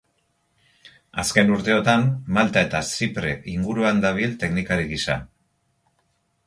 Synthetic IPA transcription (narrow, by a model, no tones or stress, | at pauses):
aske̞nuɾt̪e̞o̞t̪amːalt̪ae̞t̪asipɾe̞̰ʔiŋɡuɾuand̪aβ̞ilt̪e̞knikaɾiɣisa̰